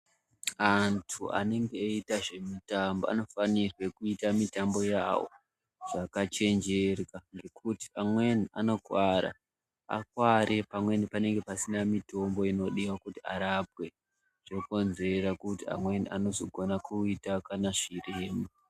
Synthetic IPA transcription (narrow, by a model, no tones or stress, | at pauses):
antʰua̰ne̞ŋɡeitaʐe̞mitambo̰a̰no̞fanirwekuitamitambo̞ja̰wo̞̰ | ʐ̥akat͡ʃe̞nd͡ʒe̞rwaŋɡe̞kʰuti̥amwe̞niano̞kwaɾa̰ | a̰kwaɾʔe̞pamwe̞nipane̞ŋɡe̞pasinamito̞mbo̞ino̞ɗiwakutia̰ɾap̚we̞ | ʐ̥oko̞nze̞ɾakutia̰mwe̞niʔano̞zo̞ɡʱo̞nakuitakanaʐireːmu